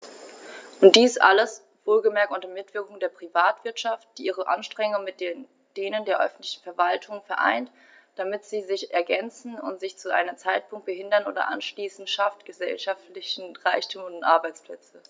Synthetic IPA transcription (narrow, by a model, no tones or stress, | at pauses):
ʔʊnt̚d̥iːsʔa̰ləs | v̥oːlɡəmɛɐkʔʊntɐmɪtv̥ɪɐkʊŋdeːɐpʁ̥ivaːtv̥ɪɐtʃaft̚d̥iːʔiːʁ̞əʔa̰nʃtʁ̥ɛŋʊŋmɪt̚d̥en | d̥eːnəndeːɐʔœ̰fn̩tlɪçn̩fɛɐvaltʰʊŋfɛɐʔa̰ɪnt | d̥amɪtz̥iːzɪçʔɛɐɡɛnt͡sn̩ʊ̰ntz̥ɪçt͡suʔa̰ɪnəmt͡saɪt̚pʰʊŋkt̚b̥əɦɪndɐnʔo̰ːdɐ̰ʔa̰nʃliːsn̩ʃaftɡ̥əzɛ̰lʃaftlɪçn̩ʁaɪçtʰuːmʊntʔa̰ɐbaɪt͡spl̥ɛt͡sə